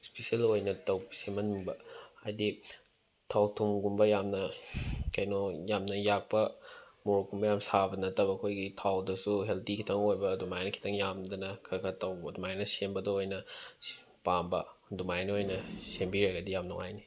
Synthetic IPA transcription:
spesielojnɐtɐwbsemɐnumbɐ̰ːjdi | tʰawtʰumɡumbɐjamnɐkɐjnojamnɐjak̚pɐmuɾkumbɐjamsabɐnɐtɐbɐːkʰojɡitʰawdɐsuɦeltikʰitʰɐŋojbɐdumajnɐkʰi̥tʰɐŋjamdɐnɐkʰɐkʰɐtɐwbɐdumajnɐsembɐdɐojnɐ | pambɐdumajnɐojnɐsembiɾɐɡɐdijamnuŋa̰jni

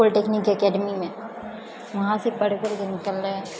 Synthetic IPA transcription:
ʊlʈeːkniːkɐkɛːɖəmimẽ | ʋɐɦãsebɐɽekoɾkenɪkəlːɛː

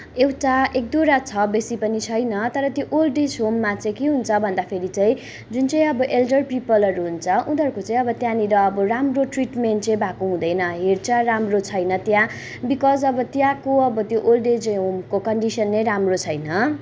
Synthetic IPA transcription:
ewʈaʔek̚d̪oɾat͡sʰʌbesipʌnit͡sʰʌjnʌt̪ʌɾʌt̪joʔolɖed͡zɦomːat͡sʌj̃keɦunt͡sʰʌbʱʌnd̪apʰeɾit͡saĩ | d͡zunt͡sʌj̃ʌbʌʔelɖʌrpipʌlʌɾuɦunt͡sʰʌũd̪ʱʌrkot͡saĩʌbʌt̪jãniɾʌːbʌramroʈriʈmenʈt͡sʌĩbakoɦũd̪ʌjnʌɦert͡saɾamrot͡sʰʌjnʌt̪jã | bikʌd͡zʌbʌt̪jãkoʌbʌt̪joʔolɖed͡zɦomkokʌɳɖisʌnːʌjɾamrot͡sʰʌjnʌ

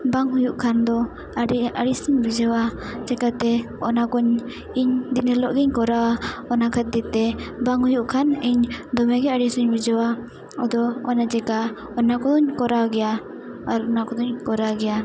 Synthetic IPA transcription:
baŋɦujuʔkʰand̪ɔ | aɾiaɾisiɲbid͡ʒawad͡ʒɛkat̪ɛ | ɔnakɔɲ | iɲd̪inɛlɔʔɡɛɲkɔɾawaɔnakʰat̪̚d̪ɛt̪ɛbaŋhujuʔkʰaniɲd̪ɔmɛɡɛaɽisuɲbid͡ʒawa | ɔd̪ɔɔnad͡ʒɛka | ɔnakɔd̪ɔɲkɔɾawɡɛjaː | ɾɔnakɔd̪ɔɲkɔɾaɡɛja

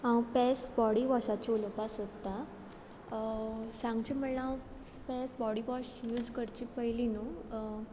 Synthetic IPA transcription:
ãwpɛsbɔɽiʋaɕat͡ɕoləpasod̪t̪ːa | sãŋɡt͡ɕim̤əɳlaãw | pɛsbɔɽibɔɕjuːd͡zkəɾt͡ɕipəɦilinu

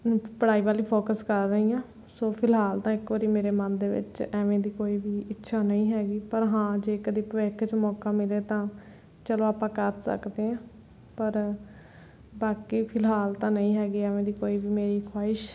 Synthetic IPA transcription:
pəɽaːiːʋaːliːpʰoːkəskəɾːəɦiːãː | soːpʰɪlɦaːlt̪ãːɪkʋəɾiːmeːɾeːmənd̪eːʋɪ̰t͡ʃɛːʋẽːd̪iːkoːiːbiːɪtːʃʰaːnəĩːɦɛːɡiːpəɾɦãːd͡ʒeːkəd̪iːpəʋeːkʰt͡ʃmɔːkãːmɪleːt̪ãː | t͡ʃəloːaːpãːkəɾsə̰kd̪eːãː | pəɾ | baːkiːpʰɪlɦaːlt̪ãːnəĩːɦɛːɡiːɛːʋẽːd̪iːkoːiːbiːmeːɾiːkʰwaːɪʃ

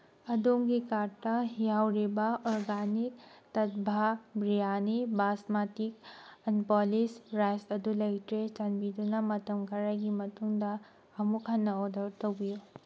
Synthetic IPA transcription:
ɐdomɡikaɾtɐɦijawɾibɐɔɾɡanik̚tɐt̚bʱabɾijanibasmatikɐnpɔlisɾajsɐdulɐjtɾet͡ʃɐnbidunɐmɐtɐmkɐɾajɡimɐtuŋdɐː | mukʰanːɐodɐɾtɐwbiju

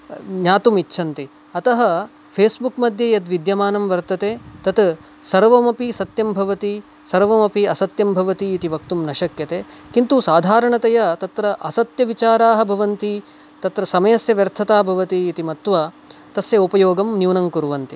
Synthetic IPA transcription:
ɲaːt̪umitːʃʰɐnt̪i | ɐt̪ɐɦɐ | pʰeːsbukmɐd̪ʱjɐjɐd̪ʋid̪jɐmaːnɐmʋɐɾt̪ɐt̪eːt̪ɐt̪ | sɐɾʋɐmɐpisɐt̪jɐmbʱɐʋɐt̪i | sɐɾʋɐmɐpiɐsɐt̪jɐmbʱɐʋɐt̪iːt̪iʋɐk̚t̪umnɐʃɐkjɐt̪eːkint̪usaːd̪ʱaːɾɐɳɐt̪ɐjɐt̪ɐt̪ɾɐʔɐsɐt̪jɐʋit͡ʃaːɾaːɦɐ̆bʱɐʋɐnt̪i | t̪ɐt̪ɾɐsɐmɐjɐsjɐʋjɐɾt̪ʰɐt̪aːbʱɐʋɐt̪iːt̪imɐt̪ʋa | t̪ɐsjɐupɐjoːɡɐmnjuːnɐŋkuɾʋɐnt̪i

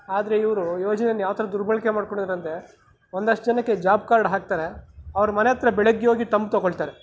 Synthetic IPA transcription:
aːd̪ɐɾe̞iʋɾujo̞ːd͡ʒɐnenjaːʋɐt̪ʰɐɾɐd̪uɾbɐɭkemaːɖkoɳid̪aɾɐnt̪e̞ | ond̪ɐʂʈɐd͡ʒɐnɐkːe̞d͡ʒaːb̚kaːɾɽɦaːk̚t̪aːɾe̞ɐʋɐɾɐmɐnejɐt̪ɾɐbɛɭɐɡːoːɡit̪ɐmb̚t̪ɔɡoɭt̪aːɾe̞

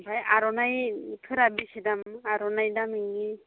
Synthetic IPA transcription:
bʱajaɾɔnajtʰɯɾabisidamaɾɔnajdamiŋɡi

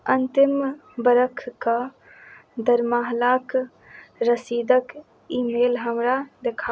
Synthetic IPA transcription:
ənt̪ɪmbəɾəkʰka | d̪əɾmaːɦlaːk | ɾəsiːd̪ək | iːmeːlɦəmɾad̪ekʰa

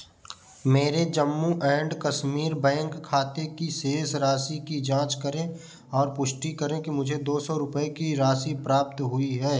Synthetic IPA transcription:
meːɾed͡ʒəmːuʔɛ̃ːɳɖkɐʃmiːɾbɛ̃ːŋkʰːaːt̪ekiseːsɾaːsikid͡ʒãːt͡ʃkəɾẽ | ɔːɾpʊʃʈikəɾẽkimʊd͡ʒʱed̪oːsɔɾʊpəekiɾaːsipɾaːp̚t̪ɦʊiɦɛː

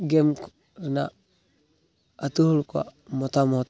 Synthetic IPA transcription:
ɡemk | ɾna | tuhulkʷa̰motamot

